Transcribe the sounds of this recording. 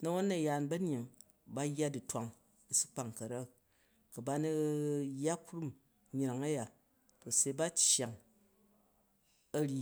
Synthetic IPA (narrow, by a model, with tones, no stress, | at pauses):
nɐ˦wo˦nːɐ˨jaː˨nbɐ˦ɲ˦i˨ŋ | ba˦jːa˦di˨twa˨ŋ | i˨su̥˦k͡pa˨ŋ˨kɐ˨ɾa˦ | kɐ˨ba˦nɐ˦jːa˦kɾu˦m | ɲ˨ɾa˨ŋɐ˦ja˨ | kɐ˨se˧˦ba˦t͡ʃja˨ŋ | ɐ˦ɾʲi˦